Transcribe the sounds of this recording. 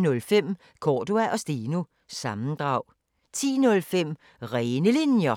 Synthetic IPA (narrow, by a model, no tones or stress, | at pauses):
nɔ̽lfem̰ | kʰɒːd̥uæʔɒ̽sd̥iːnu | sɑ̈mn̩d̥ʁɑ̈ʊ̰ | t͡sʰḭːnɔ̽lfem̰ | ʁɛːnəlinjɐ